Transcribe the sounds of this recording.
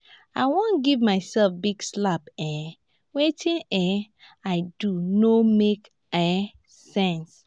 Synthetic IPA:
aɪwõnɡivmaɪsɛlfbiɡslapɛ | wetʰĩnɛ | aɪdunomek | ɛ | sɛ̃ns

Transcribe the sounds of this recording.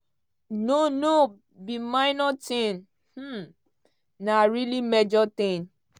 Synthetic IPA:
nono | bimãɪnɔtĩn | h̩ | naɾilimed͡ʒɔt̪ɪ̃n

